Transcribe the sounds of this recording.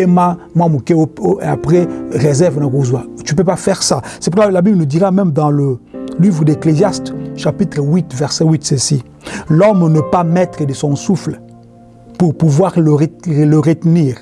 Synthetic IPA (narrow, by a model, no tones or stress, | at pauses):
emamwamukeooʔeapχɛʁezɛʁvnakozwat̪ypøpafɛʁsasɛpuʁklabiblənud̪iʁamɛmd̪ɑ̃ləlivʁəd̪eklezjast̪ʃapit̪χəwit̪vɛʁsɛwit̪səsi | lɔmnəpamɛt̪χəd̪əsɔ̃sufl | puʁpuvwaʁləʁeləʁət̪niːʁ